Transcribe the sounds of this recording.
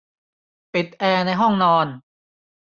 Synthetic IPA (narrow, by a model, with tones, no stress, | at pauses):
pi˨˩t̪̚ʔɛː˧na˧jɦɔ˥˩ŋnɔː˧n